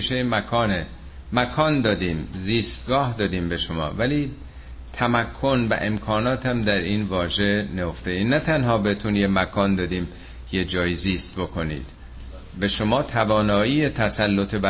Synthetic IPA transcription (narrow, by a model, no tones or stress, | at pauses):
ʃejemækʰɒːne | mækʰɒːnd̪ɒːd̪iːmziːst̪̚ɡɒːhd̪ɒːd̪iːmbe̞ʃomɒ̰ːvæliː | t̪ʰæmækʰːo̞nvæ̰ʔe̞mkʰɒːnɒːt̪ʰæmd̪æɾiːnvɒːʒe̞nejoft̪einæt̪ʰænhɒːbet̪ʰunjemækʰɒːnd̪ɒːd̪iːm | jed͡ʒɒːjiːziːst̪̚bo̞kʰo̞nḭːd̪̥ | be̞ʃo̞mɒːt̪ʰævɒːnɒːiːet̪ʰæsælːot̪ʰe̞bæ